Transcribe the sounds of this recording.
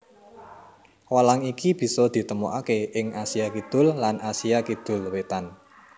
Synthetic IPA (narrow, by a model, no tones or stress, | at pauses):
walaŋikib̥i̤sɔd̪̥i̤t̪əmuʔakeɪŋasiakid̪̥ʊ̤lːanʔasiakid̪̥ʊ̤lwet̪an